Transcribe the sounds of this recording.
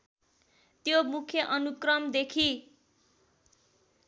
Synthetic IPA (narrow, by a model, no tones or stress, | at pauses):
t̪jomukʰjʌʔʌnukrʌmd̪ekʰi